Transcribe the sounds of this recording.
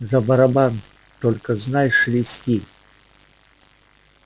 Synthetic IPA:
zɐbɐɾɐban | t̪olʲkəznajʂlʲɪsʲtʲi

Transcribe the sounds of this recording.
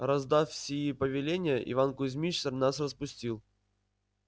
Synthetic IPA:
ɾɐzd̪afsʲɪjipəvʲɪlʲenʲɪjəʔɪ̰vankʊzʲmʲit͡ɕsərnasrəspʊsʲtʲilˠ

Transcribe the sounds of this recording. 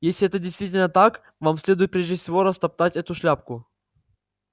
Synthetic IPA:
jesʲlʲɪɛt̪ədʲɪjst̪vʲitʲɪlʲnət̪ak | vamsʲlʲe̞d̪ʊjɪt̪̚pɾʲeʐʲdʲɪfsʲɪvo̞ɾɐst̪ɐp̚t̪atʲɛt̪ʊʂlʲap̚kʊ

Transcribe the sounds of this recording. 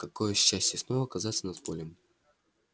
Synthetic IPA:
kɐko̞jəɕːæsʲtʲjəsno̞vəɐkɐzat̪sənɐd̪polʲɪm

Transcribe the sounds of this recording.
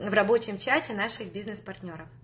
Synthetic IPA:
vrɐbo̞t͡ɕɪmt͡ɕatʲɪnaʂɨxbʲiznɨspɐrtʲnʲo̞ɾəf

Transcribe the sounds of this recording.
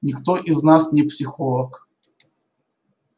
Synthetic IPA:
nʲɪkt̪oʔɪznasnʲɪpsʲɪxolˠək

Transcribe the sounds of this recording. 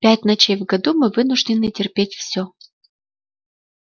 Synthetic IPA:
pʲætʲnɐt͡ɕejvɡɐd̪umɨvɨnʊʐdʲɪnɨtʲɪrpʲetʲfsʲo

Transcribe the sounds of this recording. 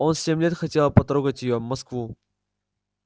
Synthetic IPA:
o̞nsʲemʲlʲe̞t̪xɐtʲe̞lˠpɐt̪ɾoɡətʲjɪjovmɐskvu

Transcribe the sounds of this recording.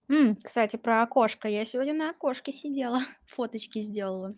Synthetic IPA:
m̩kst̪atʲɪpɾəɐko̞ʂkəjasʲɪvodʲnʲʊnəɐko̞ʂkʲɪsʲɪdʲelˠəfot̪ət͡ɕkʲɪzʲdʲe̞lˠəlˠə

